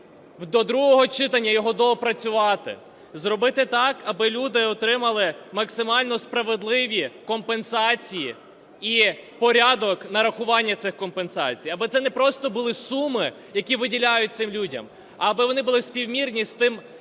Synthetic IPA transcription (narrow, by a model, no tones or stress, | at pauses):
wd̪ɔd̪ɾuɦɔɦɔt͡ʃɪt̪ɐnʲːɐjɔɦɔd̪ɔɔpɾɐt͡sʲʊʋɑt̪ɪ̰ | zɾɔbɪt̪ɪt̪ɑkɐbɪlʲud̪ɪɔt̪ɾɪmɐlˠɪmɐksɪmɑlʲnɔspɾɐʋed̪lˠɪʋʲikɔmpensɑt͡sʲiji | ipɔɾʲad̪ɔknɐɾɐxʊʋɑnʲːɐt̪sɪxkɔmpensɑ̰t͡sʲijɐbɛt̪sɛnɛpɾɔst̪ɔbʊlˠɪsumɪ | jɐkʲiʋɪdʲilʲajʊt̚t̪sɪmlʲudʲɐ̰m | ɐːbɪʋɔnɪbʊlˠɪsʲpʲiwmʲirnʲist̪ɪm